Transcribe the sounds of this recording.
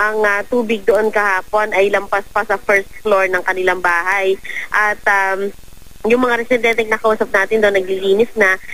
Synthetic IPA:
ʔɐŋɐt̪uːbɪɡ̚d̪oʔo̞nkɐhaːpo̞nɐjlɐmpaspɐsɐfɛɹst̪̚floɹnɐŋkɐnɪlaŋbaːɦajʔɐt̪̚am | jʊŋmɐŋaɾɛsɪd̪ɛnt̪ɛŋnɐkɐʔuːsɐp̚naːt̪ɪnd̪onːɐɡ̚liliːnɪsnɐ

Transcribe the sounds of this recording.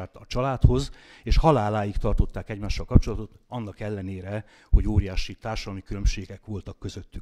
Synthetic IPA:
aːt̪ɒt͡ʃɒlaːt̪ho̞z | eːʃhɒlaːlaːjikt̪ɒrt̪o̞t̪ːaːkɛɟmaːʃːɒlkɒp̚t͡ʃo̞lɒt̪ot̪ɒnːɒkɛlːɛneːɾɛ | ho̞ɟoːɾijaːʃit̪aːrʃɒd̪ɒlmikylø̞mʃeːɡɛkʋo̞lt̪ɒkːø̞zøt̪ːyk

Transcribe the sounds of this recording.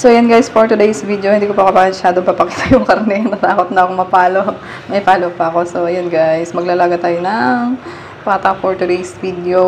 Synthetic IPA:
sojɐnɡajspoɹt̪ʊd̪ejsvid̪oɪnd̪iːkopɐkɐpaːʃaːd̪ompɐpɐkiːt̪ɐjʊŋkɐɾnɛnɐt̪aːkot̪̚nɐʔɐkomɐpaːlo | mɐɪpaːlopɐɐko̞so̞jɐnɡajsmɐɡ̚lalaːɡat̪aːjonɐŋ | pat̪ɐpoɹt̪ʊd̪ejsvid̪ɛo

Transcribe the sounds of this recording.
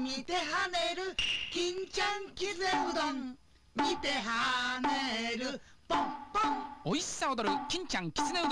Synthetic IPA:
mit̪eɦaneɾɯkiŋt͡ɕaŋkiseud̪ʌŋ | mit̪eɦaneɾɯ | pʌmp͈ʌŋois͈aod̪ʌɾɯkiŋt͡ɕʰaŋkis͈ɯneud̪

